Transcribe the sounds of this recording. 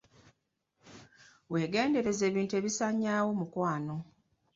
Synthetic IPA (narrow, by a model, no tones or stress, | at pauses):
we̞ːɡe̞ːnde̞ɾe̞ze̞ːβiːntue̞βisaɲːaːwo̞mukwaːno̞